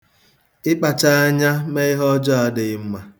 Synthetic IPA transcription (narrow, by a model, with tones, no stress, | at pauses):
ɪ˦k͡pa˨t͡ʃa˦a˦ɲa˦me˦ɪ˦ɦɔ˦d͡ʒɔ˦a˨dɪ˨˦m̩˦ma˨